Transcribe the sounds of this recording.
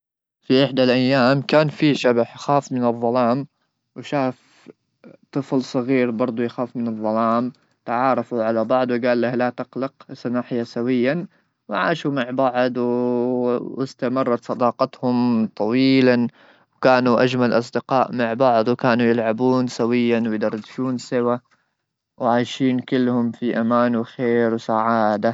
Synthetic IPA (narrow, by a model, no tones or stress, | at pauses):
fiʔɪħd̪alʔajːaːmkaːnfiʃabaħjxaːfmɪnɨðˤːɑlɑːm | wʃaːf | t̪ˤɨflsˤɨɣiːɾbɑɾˤd̪ˤujxaːfmɪnɨðˤːɑlɑːm | t̪ʕɑːɾˤɑfuʕalabɑʕd̪ˤwɡaːlːahlat̪ɪqlɪqsɑnaːħɪjasawɪjːan | wʕaːʃumaʕbaʕd̪ˤw | wɪst̪amɑrˤːɑt̪sˤɑd̪ɑːqɑt̪hʊmt̪ˤʰɑwiiːlan | wkaːnuʔad͡ʒmalʔɑs̬ˤd̪ɪqɑːʔmaʕbɑʕd̪ˤwɪkaːnujɪlʕabuːnsawɪjːanwɪjd̪ɑɾˤːɑd̪ʃuːnsɪwa | wʕaːjʃiːnkɪlːhʊmfiʔamaːnwɪxeːɾwsaʕaːd̪a